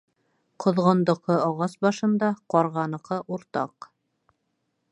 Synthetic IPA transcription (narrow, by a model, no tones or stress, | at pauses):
qʰŏðʁɤ̆nd̪ɤ̆qɤɑʁɑsbɑʃɤ̆nd̪ɑqɒɾʁɑnɤ̆qɤʔuɾt̪ɑ̰q